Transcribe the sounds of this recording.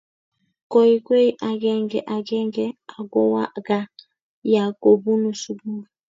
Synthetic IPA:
ko˨i˨ke˦i˦ʔa˨ɡɛ˦ŋɡɛ˨ʔa˨ɡɛ˦ŋɡɛ˦a˨ɡo˦wa˦˨ɡa˦ | ja˨ko˨bu˦nu˨su˦bu˦˨

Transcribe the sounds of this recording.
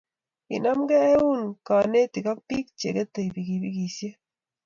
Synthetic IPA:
ḭ˨na˦mɡɛː˦u˦nka˨ne˦ti˨ka˦k̚pi˦k̚t͡ʃḛ˨ɡe˦t̪e˨i˨bi˨ki˨bi˦ki˨sje˦

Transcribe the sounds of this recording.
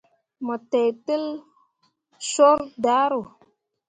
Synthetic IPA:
mə˨te˨jtə˦l | so˦ɾda˨˦ɾo˨

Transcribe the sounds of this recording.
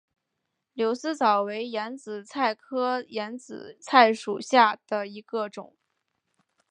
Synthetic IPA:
ljo˧˥ʊsɹ̩˥t͡sɑ˨˩ʊwe˧˥ɪjɛ˧˥nt͡sɹ̩˨˩t͡sʰa˥˩ɪkʰɤ˥jɛ˧˥nt͡sɹ̩̰˨˩˦t͡sʰa˥˩ɪʂu˨˩ɕja˥˩d̪̥ə˩i˧˥ɡə˧ʈ͡ʂʊ̰˨˩˦ŋ

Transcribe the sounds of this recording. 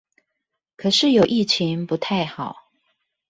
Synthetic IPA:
kʰɤ˨˩ʂɻ̩˥˩jo˨˩ʊʔi˥˩t͡ɕʰi˧˦˥ŋpu˧˦t̪ʰa˥˩ɪxɑ˨˩˦ʊ

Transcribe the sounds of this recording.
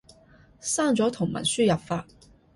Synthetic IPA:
saː˥˩ŋt͡sɔː˨˥t̪ʰʊ˨˩ŋmɐ̰˨˩nsyː˥jɐ˨p̚faː˧t̚

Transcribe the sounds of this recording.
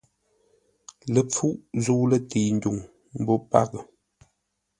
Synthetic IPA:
lə˨p͡fu˦ʔzuː˦lə˦˨ti˨n̩˦du˨ŋ | m̩˦bo˦pa̰˦˨kə˨

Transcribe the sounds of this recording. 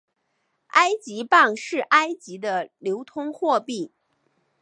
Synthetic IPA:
a˥ɪt͡ɕi˧˥pa˥˧ŋʂɻ̩˥˩ʔa˥ɪt͡ɕi˧˥d̪ə˧ljo˧˥ʊt̪ʰʊ˥ŋxwɔ˥˧pi˥˩

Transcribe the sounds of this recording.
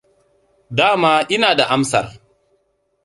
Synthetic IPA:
daː˦maː˦ʔɪ˦naː˨da˨ʔa˦msɐ̰˨r

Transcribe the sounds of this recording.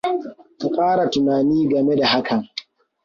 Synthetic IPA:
ku˨kʼaː˦ɽa˨tʊ˨naː˨niː˦ɡɐ˨me˦da˨ɦa˦kɐ˨ŋ

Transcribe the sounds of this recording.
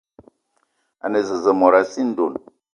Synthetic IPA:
a̰˨nə˨zə˨zə˨mɔ˨ɾa˨si˦n̩˦do˨n

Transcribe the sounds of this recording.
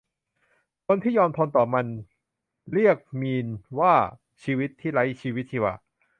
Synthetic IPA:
kʰo˧nt̪ʰiː˥˩jɔː˧mt̪ʰɔː˧nt̪ɔː˨˩ma˧n | ɾi˥˩ək̚miː˧nwaː˥˩ | t͡ɕʰiː˧wi˦˥t̪ʰːiː˥˩ɾa˦˥jt͡ɕʰiː˧wi˦˥t̪̚ʰiː˥˩wa̰ː˧˩

